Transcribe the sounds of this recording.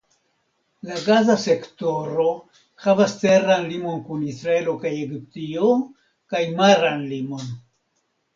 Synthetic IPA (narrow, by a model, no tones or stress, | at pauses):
laɡazase̞kto̞ɾo̞ | havaste̞ɾanlimo̞nkunisɾae̞lo̞kajeɡyp̚tio | kajmaɾanlimo̞n